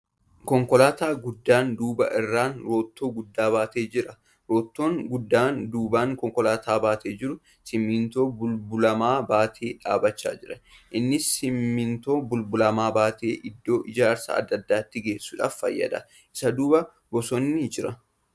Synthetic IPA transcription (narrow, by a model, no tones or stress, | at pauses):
kɔŋkɔlaːt̪aːɡʊd̪ːaːnd̪uːbɐ̰ʔɪrːaːnɾo̞ːt̪ːo̞ːɡʊd̪ːaːbaːt̪e̞ːd͡ʒɪɾɐ | ɾo̞ːt̪ːo̞ːŋɡʊd̪ːaːnd̪uːbaːŋkɔŋkɔlaːt̪ʰaːbaːt̪ʰeːd͡ʒɪɾʊ | sɪmːɪnt̪o̞ːbʊlbʊlɐmaːbaːt̪ʰeːᶑa̰ːbɐt͡ʃːa̰ːd͡ʒɪɾɐʔɪnːɪsːɪmːɪnt̪o̞ːbʊlbʊlɐmaːbaːt̪eːʔɪd̪ːo̞ːʔɪd͡ʒaːɾsɐ̰ɐ̰d̪ːɐd̪ːaːt̪ːɪɡe̞ːsːʊːᶑa̰ːffɐ̰jːɐ̰d̪ɐ̰ | ʔɪsɐd̪uːbɐ | bɔsɔnːɪd͡ʒɪɾɐ